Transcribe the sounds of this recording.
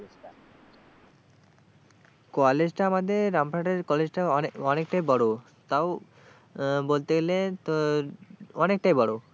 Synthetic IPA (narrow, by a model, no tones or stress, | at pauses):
kɔled͡ʑʈaamad̪eɾɾampɾaʈeɾkɔled͡ʑʈaɔɔnekʈajbɔɽo | t̪aw | bolt̪eɡele | ɔnek̚ʈajbɔɽo